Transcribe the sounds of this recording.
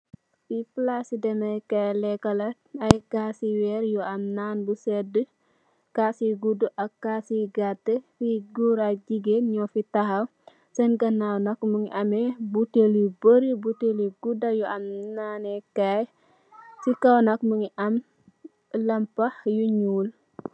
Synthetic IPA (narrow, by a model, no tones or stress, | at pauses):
siflasidɛmɐjkajlɛkɐlɐ | ɐjkaːsiwɛɾjɔɐmnaːnbusɛdə | kaːsiɡuduʔɐkːaːsiɡatːəfiɡuɾaɟiɡeɲɔfitɐhɐw | sɛnɡɐnawnɐkmuŋiʔɐmebutelibəɾibuteliɡudɐjuʔɐmnaːnɛkaj | sikɐwnɐkmuŋiʔɐm | lɐmpɐhjuɲuːl